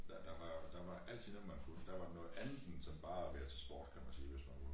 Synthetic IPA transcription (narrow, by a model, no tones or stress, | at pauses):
d̥æd̥ɑ̈ʋɑ̈d̥ɑ̈ʋɑ̈ʔæl̰t͡sʰiðˠnɔ̽ð̩ˠmænfulfd̥æʋɑ̈dnɔ̽ːð̩ˠænð̩sɒ̽mb̥ɑ̈ːæʋeɐt͡sʰe̝lsb̥ɒ̰ːd̥kʰæmænsiːʋe̝smænku